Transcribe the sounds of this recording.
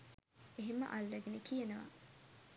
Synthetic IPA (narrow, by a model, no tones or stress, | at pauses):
eɦemə̰ʔalːeɡenekijenɐʋa̰